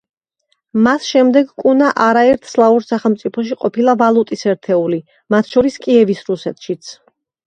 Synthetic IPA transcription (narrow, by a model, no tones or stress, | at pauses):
masʃɛmd̪ɛɡkʼunaʔaɾaɛɾt̪ʰslˠauɾsaχɛlˠmt̪sʼipʰɔʃ̬iqʼɔpʰilˠavalˠut̪ʼisɛɾt̪ʰɛuli | mat̪ʰʃɔɾiskʼiɛvisɾusɛt̪ʰʃit̪sʰ